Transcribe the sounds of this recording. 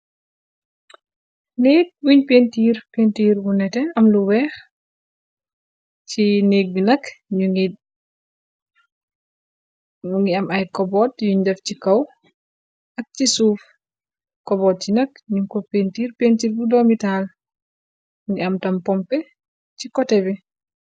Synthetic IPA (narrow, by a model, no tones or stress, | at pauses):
neːt̚buɲpentiːɾpentiːɾbunɛtɛɐmluwɛːx | t͡ʃineɡːnɐkɲuŋi | uŋɡiɐmɐjkɔbɔːtjuɲdɐft͡ʃikɐw | ʔɐk̚t͡ʃisuːf | kɔbɔt̚t͡ʃinɐkɲukɔpentiːɾpentiːɾbudomital | ŋɡiɐmtɐmpɔmpɛ | cikɔtɛbɛ